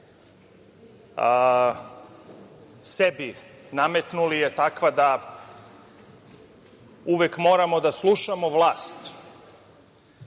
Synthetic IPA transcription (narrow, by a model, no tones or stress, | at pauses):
sebinamet̪nulijet̪akʋad̪a | uʋekmoːɾamo̞d̪aslˠuʃamo̞ʋlˠaːst̪